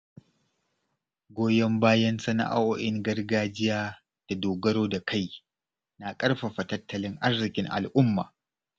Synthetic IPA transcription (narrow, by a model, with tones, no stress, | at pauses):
ɡʷoː˦jɛ˦mbaː˦jɐ˦nsɐ˦na̰˦ʔa̰˦ʔoː˨ʔɪ˦ŋɡɐ˦rɡaː˦d͡ʒɪ˦jaː˦ | d̥a˨doː˨ɡɐ˦ɽoː˦da˨kʰa˦j | na˨kʼɐ˦rɸa˨ɸɐ˨tɐ˦tʰːɐ˨lɪ˦ŋʔa˦rzɪ˨kʲɪ˦ŋʔa̰˨lʔʊ˦mːa̰ː˨